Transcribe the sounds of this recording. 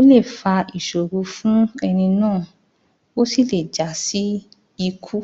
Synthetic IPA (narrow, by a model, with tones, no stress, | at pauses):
o˦le˦˨fa˧i˨ʃo˨ɾu˨˧˦fũ˦ɛ˧nĩ˧nãː˦˨ | o˦si˦˨le˨d͡ʒa˨si˦ | i˧kʰu˦